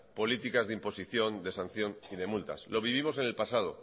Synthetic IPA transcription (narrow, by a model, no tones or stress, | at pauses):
po̞lit̪ikazðimposiθjo̞nd̪e̞sãn̟θjo̞niðe̞mult̪a̰slo̞β̞iβ̞imo̞s̬e̞ne̞lpasað̞o̞̰